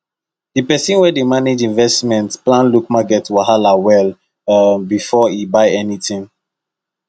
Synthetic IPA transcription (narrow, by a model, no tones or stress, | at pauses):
d̥ipɛsĩnwɛdemaned͡ʒĩnvɛstmɛ̃ntplãnlukmaɡɛtwahalawɛl | bifɔibaɪɛnitĩŋ